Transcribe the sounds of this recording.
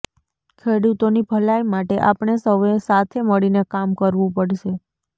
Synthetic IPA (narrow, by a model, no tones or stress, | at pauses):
kʰeɽut̪onibʱəlajmaʈeʔapɳ̃esəʋesat̪ʰeməɭinekamkəɾʋũpəɽʃe